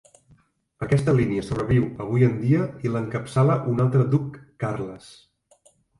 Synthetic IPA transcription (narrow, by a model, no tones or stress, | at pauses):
əkɛst̪əliniəsoβ̞ɾəβ̞iwəβ̞ujənd̪iəiləŋkəpsaləʔunalˠt̪ɾəd̪ukːarləs